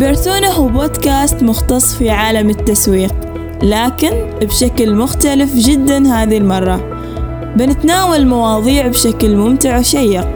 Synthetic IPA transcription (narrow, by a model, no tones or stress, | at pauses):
bɪɾsoːnahwboːd̪kaːst̪mʊxt̪ɑsˤːfiʕaːlamɪt̪ːaswiːq | laːkɪn | bʃaklmʊxt̪alɪfd͡ʒɪd̪ːanɦhaːðilmɑrˤːɑ | bɪnɪt̪naːwalmawɑːðˤiːʕbʃaklmʊmt̪ɪʕwʃajːɪq̚